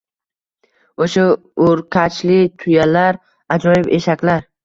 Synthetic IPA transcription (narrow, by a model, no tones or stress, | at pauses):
oʃa | ʊɾkʲʰat͡ʃlɪt̪ʰʊjalaɾ | ad͡ʒɒjɪbe̞ʃakʲlaɾ